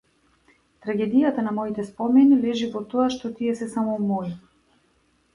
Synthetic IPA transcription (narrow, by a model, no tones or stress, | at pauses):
t̪ɾaɡɛd̪ijat̪anamɔit̪ɛspɔmɛnilɛʒivɔt̪ɔaʃt̪ɔt̪iɛsɛsamɔmɔi